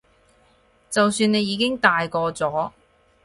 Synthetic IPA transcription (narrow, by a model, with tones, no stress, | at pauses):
t͡sɐ˨wsyː˧ne˨˧jiː˨˧kɪ˥ŋt̪aː˨jkɔː˧t͡sɔː˨˥